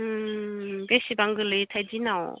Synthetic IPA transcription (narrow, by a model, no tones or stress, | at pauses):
besibaŋɡɯlɯjtʰajdinaw